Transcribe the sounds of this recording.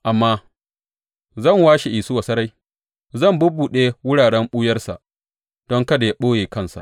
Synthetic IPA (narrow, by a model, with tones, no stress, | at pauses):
ʔa˨mːaː˦ | zɐ˦˨ŋwaː˦ʃe˨ʔiː˨sʊ˦wa˨sɐ˦ɾa˦j | zɐ˦˨mbʊ˦buː˨ɗeː˦wʊ˦ɽaː˨ɽɛ˦mɓʊ˦jɐ˦rsa̰˨ʔ | d̥ɔ˦ŋkɐ˦da˨ja˦ɓoː˦jeː˨kɐ˦˨nsa̰˨ʔ